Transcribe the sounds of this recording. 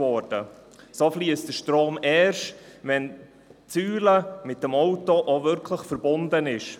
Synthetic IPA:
ɔːrdə | sofliəstd̥əʃtɾoːmɛːɾʃtvɛn | t͡syːləmɪt̚dəmɔwtoʔovʏɾkʰləχfəɾbʊndənɪʃ

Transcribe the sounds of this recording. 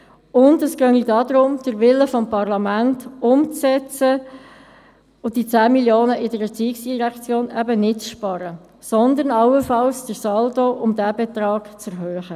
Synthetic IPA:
ʊndəskœŋidɑːd̪ɾʊmd̥əɾʋɪləfɔmpɑʁlɑmæntʊmt͡sɛt͡sə | ʊd̥it͡sæːmiljoːnəʔɪdəɾət͡siːksd̥iʁækt͡sjoːnæbənɪtt͡sʃpɑɾə | sɔnd̪ənɑwəfɑlsd̥əɾsɑldoʔʊmd̪æbɛt̪ɾɑːɡ̥t͡sɛɾɦøːχə

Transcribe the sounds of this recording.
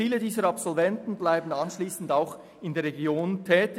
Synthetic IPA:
iːlədiːzəɾapsɔlvɛntn̩blaɪbn̩anʃliːsn̩daʊx | ɪndeːɐɾʁeɡjoːntʰɛːtɪ

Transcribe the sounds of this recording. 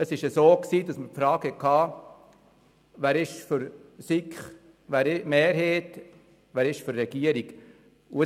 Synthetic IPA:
əsɪʃəsoːksiːdɑsməɾpfɾɑːkhɛkʰːɑː | ʋæːɾɪʃfʏɾsikχ | ʋæːɾɪmeːɾɦeːt | ʋæːɾɪʃfyɾːɛɡ̥iəɾiɡ | uə

